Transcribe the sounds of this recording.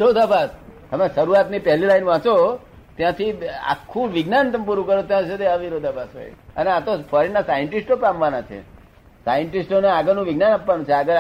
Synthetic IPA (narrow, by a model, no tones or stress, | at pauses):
ɾod̪ʱabast̪əmeʃəɾuat̪nipɛɦlilainʋãt͡ʃo | t̪jãt̪ʰia̰kʰːũʋɪɡnant̪əmpuɾũkəɾot̪jãt͡ʃʰed̪eəʋiɾod̪ʱabasɦo̰j̰əneat̪ofʰɔɾinasajəɳʈisʈopamʋanat͡ʃʰḛ | sa̰jəɳʈisʈoneaɡəɾnũʋɪɡnanapːʋanũt͡ʃʰeaɡəɾ